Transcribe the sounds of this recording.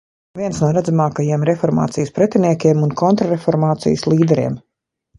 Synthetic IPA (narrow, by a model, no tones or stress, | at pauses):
viɛnsnuɔɾad̪zamaːkajiɛmɾɛfɔɾma̰ːt̪sijspɾɛt̪ʲɛniɛkʲiɛmunkɔnt̪ɾaɾefɔɾmaːt̪sḭjslˠiːd̪ɛɾḭɛm